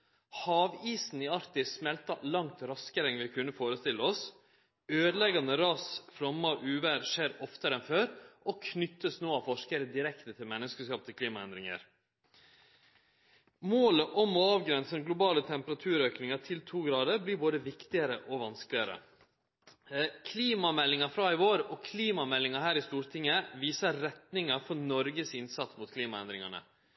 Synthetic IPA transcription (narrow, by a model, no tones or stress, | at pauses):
hɑːʋiːsn̩iːɑɾt̪ɪsmɛlt̪ɑlɑŋt̪ɾɑskəɾɛŋʋɪkʰʉnːəfoːɾəst̪ɪlːəɔs | øːd̪əlɛɡɑnəɾɑːsfɾɔmːɑʔʉːʋəɾʂeːɾɔft̪əɾɛnføːɾʔɔkʰnʏt̪ːəsnoːɑʋfɔʂkəɾəd̪ɪɾɛkt̪ət̪ʰɪlmɛnːəskəskɑːp̚t̪ʰɪlkʰliːmɑɛnd̪ɾɪŋə̰ɾ | moːləʔɔmɔɑːʋɡɾɛnsəɡlʊbɑːlət̪ʰɛmpəɾɑt̪ʰʉːɾøːknɪŋɑʈʰɪlt̪ʰuːɡɾɑːd̪əɾbliːɾboːd̪əʋɪkt̪ɪəɾəʔɔʋɑnsklɪəɾə̰ | kʰliːmɑmɛlːɪŋɑfɾɑːɪʋoːɾɔkʰliːmɑmɛlːɪŋɑɾhæːɾɪst̪uːɾʈ̪ʰɪŋːəʋiːsəɾɛt̪nɪŋɑfɔɾnɔɾɡəsɪnsɑt̪smʊt̪kʰliːmɑɛnd̪ɾɪŋɑnə̰